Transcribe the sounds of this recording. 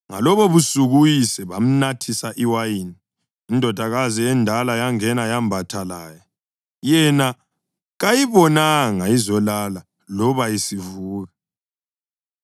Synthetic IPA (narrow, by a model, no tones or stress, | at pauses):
ŋa̰lɔβɔβusuɣujisɛβam̩natʰisaʔiwajini | indʱɔd̥ʱaɣaziɛndʱalajaŋɛnajambʱatʰalaːja | jɛna | ɣajiβɔnaŋaizɔlala | lɔβaisivuːɣa